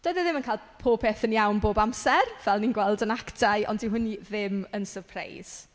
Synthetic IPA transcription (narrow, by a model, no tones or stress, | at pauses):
d̥oɨðəðɪmənkʰajlˠ | pʰoːpʰeːθənjawnboːbamsɛrv̥ɛlˠninɡwɛlˠdənaktʰaɨʔɔ̰ndiɦʊnːiðɪmənsərpʰra̰jz̥